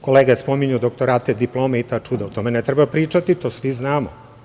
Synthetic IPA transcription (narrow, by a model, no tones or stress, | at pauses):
koleːɡaespomiɲud̪ok̚t̪oɾaːt̪ed̪iplˠoːmeit̪aːt͡ʂud̪aut̪o̞menɛt̪ɾɛbapɾiːt͡ʃat̪it̪oːsʋiznaːmo̰